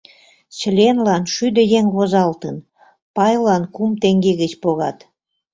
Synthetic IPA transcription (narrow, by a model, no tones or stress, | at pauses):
t͡ɕə̆lʲenlɑnʃyd̪ə̆jeŋβozɑlt̪ən | pɑjlɑnkumt̪eŋɡeɣət͡ɕpoɣɑt̪